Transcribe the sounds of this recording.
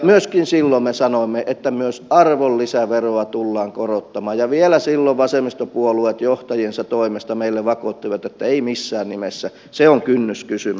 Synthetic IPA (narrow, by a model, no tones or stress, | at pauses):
myøskinsilːommesɑnoimːeʔet̪ːæmyøsɑrʋolːisæʋeroɑt̪ulːɑːŋkorot̪ːɑmɑːjjɑʋielæsilːoʋʋɑsemist̪opuoluet̪joht̪ɑjiensɑt̪oimest̪ɑmeilːeʋɑkot̪ːiʋɑt̪et̪ːæeimisːæːnnimesːæ | seoŋkynːyskysym